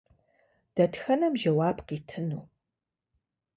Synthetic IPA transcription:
d̥ɐtxɐnɐmʒɐwaːbqiːtʰɨnuː

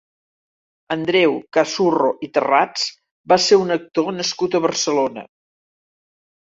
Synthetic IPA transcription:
ənd̪ɾɛwkasuroʔit̪ərat͡s | baseɾunək̚t̪onəskut̪əβərsəlonə̰

